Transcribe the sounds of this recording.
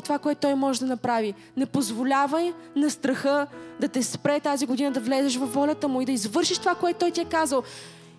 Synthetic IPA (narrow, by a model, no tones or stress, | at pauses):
t̪ovakoɛt̪ʊt̪ɔjmɔʒɛd̪ɐnɐpɾavi | nɛpozvolʲavəjnɐst̪ɾɐxɤd̪ɐt̪ɛspɾɛt̪aziɡod̪inəd̪ɐvlɛzɛʃ̬vɐfːɔlʲɐt̪əmʊid̪ɐizvɤɾʃiʃt̪ovakoɛt̪t̪ːɔjt̪iɛkazəlˠ